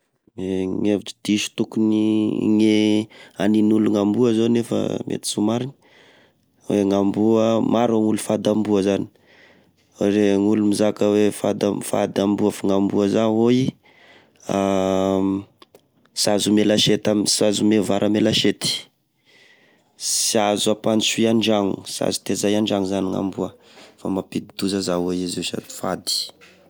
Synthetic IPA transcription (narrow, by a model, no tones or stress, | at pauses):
meŋevid͡ʒi̥d̪̥iʃu̥t̪ukuniŋeaninuluŋambuəzonefə̰mʔḛt̪i̥sumaɾin | weŋambuəmaɾoŋulufad̪ambuəzani̥ | woɾeŋulumizakəwefa̰d̪a̰fa̰d̪ambuəfaŋambuəzawoi | a | sazumelaʃet̪amsazumevaɾʔamelaʃet̪i̥ | siazapanisuiaɳd͡ʒaŋṵsa̰zu̥t̪ezajaɳd͡ʒaŋuzaniŋa̰mbuə | famapid̪id̪uzazawoizesa̰d̪i̥fad̪i̥